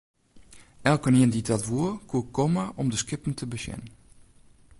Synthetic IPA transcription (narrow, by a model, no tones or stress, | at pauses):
ʔɛlˠkəniənditɔtʋuəkʰukomaʔɔmdəskɪpən̩tʰəbəsjɛ̰n